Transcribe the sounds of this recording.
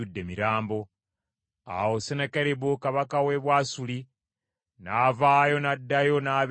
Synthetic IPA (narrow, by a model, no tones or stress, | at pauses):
udːe̞miɾaːmbo̞ | a̰wosenekeɾeβokaβakaweβwaːsuli | navaːjo̞nadːajo̞naβ